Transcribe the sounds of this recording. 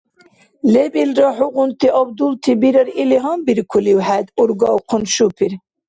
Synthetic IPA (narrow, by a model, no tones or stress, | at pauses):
lebilɾɑħuɣunt̪iʔɑbd̪ult̪ʰibiɾəɾiliɦɑmbiɾkʰuliwħæd̪uɾɡɑwqʰʊnʃupʰiɾ